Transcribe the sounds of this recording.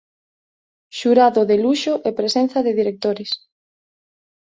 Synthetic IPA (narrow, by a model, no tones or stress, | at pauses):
ʃuɾaðoðeluʃoʔepɾesen̟θɐðeðiɾek̚t̪oɾɪs